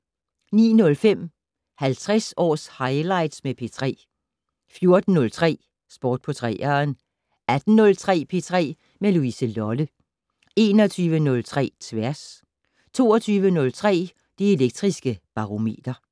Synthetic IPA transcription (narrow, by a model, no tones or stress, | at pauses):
nḭːnɔ̽lfem̰ | hælt͡sʰʁɛsɒ̰ːshɑ̈ɪlɑ̈ɪd̥smepʰe̝ːt͡sʰʁɛ̰ː | fjo̝ɐd̥n̩ːɔ̽lt͡sʰʁɛ̰ː | sb̥ɒ̰ːd̥̚pʰɔt͡sʰʁɛ̰ːɐn | æd̥n̩ːɔ̽lt͡sʰʁɛ̰ːpʰe̝ːt͡sʰʁɛ̰ː | meluisəlɒlə | e̝ːnɒt͡sʰyːʋənɔ̽lt͡sʰʁɛ̰ːt͡sʰʋæɐ̰s | t͡sʰo̝̰ːɐt͡sʰyːʋənɔ̽lt͡sʰʁɛ̰ː | d̥ie̝leɡ̥̚d̥ʁisɡ̥əb̥ɑ̈ʁo̝me̝̰ːd̥ɐ